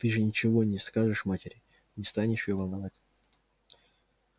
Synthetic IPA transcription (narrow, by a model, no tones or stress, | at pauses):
t̪ɨʐɨnʲɪt͡ɕɪvo̞nʲɪskaʐɨʂmatʲɪɾʲɪ | nʲɪst̪anʲɪʂjovɐlˠnɐvatʲ